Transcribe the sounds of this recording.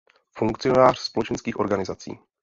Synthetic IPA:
fuŋkt͡sɪo̞naːr̝̥spo̞lɛt͡ʃɛnskiːxʔo̞ɾɡanɪzat͡sḭː

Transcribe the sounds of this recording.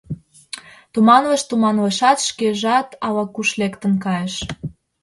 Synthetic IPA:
t̪umɑnləʃt̪umɑnləʃɑt̪ʃkeʒɑt̪ɑlɑkuʃlekt̪ənkɑjeʃ

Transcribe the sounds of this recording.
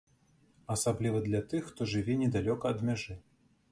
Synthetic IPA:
ɐsablʲivɐd̪lʲat̪ɨxːt̪ɔʐɨvʲɛnʲɛd̪alʲɔkɐːd̪mʲaʐɨ

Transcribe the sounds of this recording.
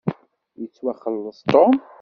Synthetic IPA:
jət͡sːwæχəlːəsˤt̪om

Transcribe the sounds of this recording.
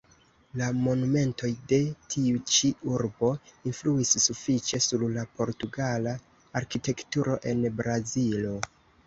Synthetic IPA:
lamo̞nume̞nto̞jde̞tʰiut͡ʃiuɾbo̞influisːufit͡ʃe̞suɾlapo̞ɾtuɡala | aɾkite̞ktuɾo̞ʔe̞nbɾazilo̞

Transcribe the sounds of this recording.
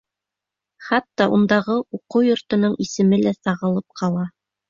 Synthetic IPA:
χɑt̪ːɑʔund̪ɑʁɤuqɤwjŏɾt̪ɤ̆nɤɴisɘ̆mɘlæsɑʁɤ̆lˠɤp̚qʰɑlˠɑ

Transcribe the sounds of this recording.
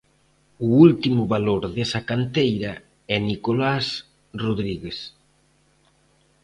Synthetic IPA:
uult̪imʊβaloɾðesakant̪ejɾɐ | ɛnikolas | roðɾiɣes

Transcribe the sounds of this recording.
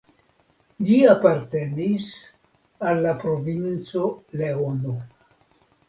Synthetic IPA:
d͡ʒiapaɾte̞nis | alːapɾo̞vint͡so̞leono

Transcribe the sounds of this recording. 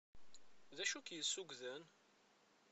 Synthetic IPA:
ðæʃukjəsːuɡðən

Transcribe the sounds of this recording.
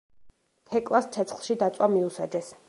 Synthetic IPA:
t̪ʰɛkʼlˠastt͡ʃ̪ʰɛt̪sʰχlˠʃid̪at̪sʼwamiusad͡ʒɛs

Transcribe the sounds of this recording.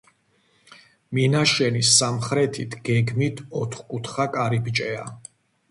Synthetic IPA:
minaʃɛnisːamχɾɛt̪ʰit̪ʰɡ̥ɛɡmit̪ʰɔt̪ʰχkʼut̪ʰχakʼaɾibt͡ʃʼɛa

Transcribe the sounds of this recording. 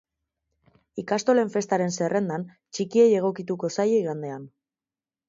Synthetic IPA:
ikast̪o̞le̞ɱfe̞st̪aɾe̞nse̞re̞nd̪an | t͡ʃikie̞je̞ɣ̞o̞kit̪uko̞sajeiɣand̪e̞an

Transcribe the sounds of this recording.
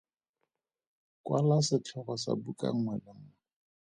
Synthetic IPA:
kʼwalasɪt͡ɬʰɛɣɔsa̰bukʼa̰ŋ̩ŋwɛlɪŋ̩ŋɛ

